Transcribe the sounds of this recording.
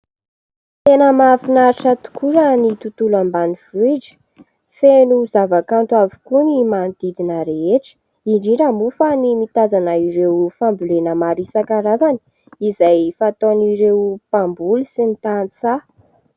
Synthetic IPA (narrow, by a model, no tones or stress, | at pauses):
t̪enəmafinaɾiʈ͡ʂat̪u̥kʰuɾənit̪ut̪ulambaniv̥id͡ʒə̥ | fenuzavakant̪uavi̥kunimand̪̥id̪inəɾeeʈ͡ʂə̥ | iɳɖ͡ʐiɾamufənimit̪azanəiɾewfambulenəmaɾisakaɾazani̥ | izajfat̪oniɾewpambulusinit̪ant͡sa